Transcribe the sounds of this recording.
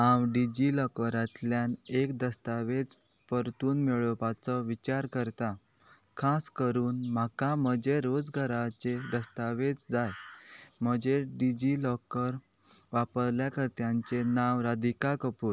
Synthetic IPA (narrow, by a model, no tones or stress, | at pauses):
awɖid͡ʑilɔkʋəɾat̪ljanekd̪əst̪aʋet͡s | pəɾt̪uːnmeɭəpat͡sɔʋit͡ɕaɾkəɾt̪a | kʰaskəɾuːnm̤akam̤əd͡ʑeɾod͡zɡʱəɾat͡ɕed̪əst̪aʋet͡sd͡zajm̤əd͡ʑeɖid͡ʑilɔkəɾ | ʋapəɾljakəɾt̪jãɲt͡ɕenaʋɾad̪ikakəpuːɾ